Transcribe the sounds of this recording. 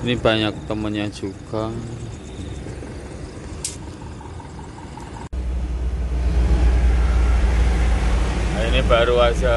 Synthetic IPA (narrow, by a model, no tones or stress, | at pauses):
inib̥a̤ɲak̚t̪əmənɲad̥ʒ̥ukaŋ | ainiba̤ɾuasa